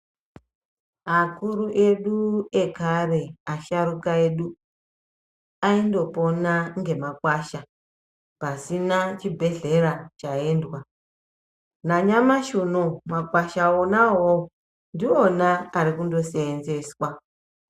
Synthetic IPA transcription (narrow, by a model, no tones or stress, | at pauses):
akuɾuʔe̞ɗuekare̞aʃaɾukae̞ɗu | aindo̞po̞naŋɡe̞makwaʃa | pasinat͡ʃibʱe̞ɮe̞ɾat͡ʃae̞ndwa | naɲamaʃunomakwaʃaonaɦo | ndionaːɾikundo̞seːnze̞swa